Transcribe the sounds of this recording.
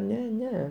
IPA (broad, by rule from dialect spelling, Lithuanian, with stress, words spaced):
ˈnʲɛ ˈnʲɛ